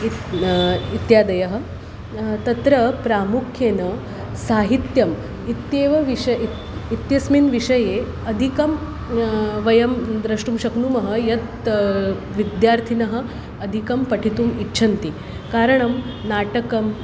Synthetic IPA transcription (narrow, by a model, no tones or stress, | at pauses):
i | it̪jaːd̪ɐjɐɦɐ̆ | t̪ɐt̪ɾɐpɾaːmukʰjeːnɐ | saːɦit̪jɐm | it̪jeːʋɐʋiʂɐ | it̪jɐsminʋiʂɐje | ɐd̪ʱikɐm | ʋɐjɐmd̪ɾɐʂʈumɕɐknuːmɐɦɐ̆jɐt̪ | ʋid̪jaːɾt̪ʰinɐɦɐ̆ | ɐd̪ʱikɐmpɐʈʰit̪uːmitːɕʰɐnt̪i | kaːɾɐɳɐm | naːʈɐkɐm